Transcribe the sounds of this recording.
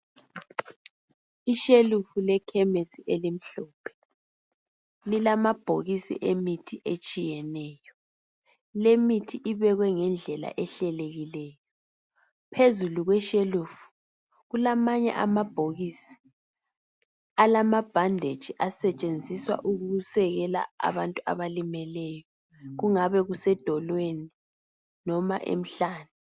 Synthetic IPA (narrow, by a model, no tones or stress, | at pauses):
iʃelufulɛkʰɛmesiʔɛlim̩ɬɔːpʰɛ̥ | lilamab̥ʱoɣisḭʔemitʰiʔet͡ʃʼijɛnɛːjɔ | lemitʰiʔiβɛɣwɛŋɛnd͡ɮʱɛla̰ʔɛɬɛleɣilɛːjɔ | pʰezuluɣwɛʃelufu̥ | ɣulamaɲɛ̰ʔamab̥ʱoɣisi̥ | alamab̥ʱandʱed̥ʒ̥ʱiʔasɛt͡ʃʼend͡zʱiswa̰ʔuɣuusɛɣɛla̰a̰βantʼua̰βalimɛlɛjɔ | ɣuŋaβɛɣusɛd̥ʱɔlweni | nɔma̰ʔḛm̩ɬaːnu